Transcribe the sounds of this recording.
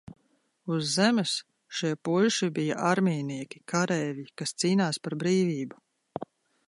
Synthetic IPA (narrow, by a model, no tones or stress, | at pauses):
uzːɛmɨs | ʃiɛpulʃibija̰ʔaɾmʲiːniɛkʲi̥kʰaɾɛːvikast̪siːnaːspaɾbɾiːviːbu